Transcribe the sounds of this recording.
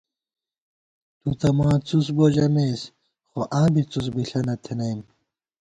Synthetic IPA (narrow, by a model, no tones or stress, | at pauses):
t̪ut̪ɐmãːt͡sus̬boːʑɐmeːs | xoʔãːbit͡sus̬biɬɐnɐt̪ʰenɐjm